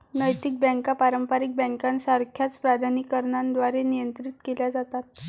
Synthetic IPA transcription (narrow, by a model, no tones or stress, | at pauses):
nəjt̪ik̚bɛ̃ŋkapaɾəmpaɾik̚bɛ̃ŋkãnsaɾkʰjat͡spɾad̪ʱanikəɾɳãnd̪ʋaɾenijənt̪ɾit̪keljad͡zat̪at̪̚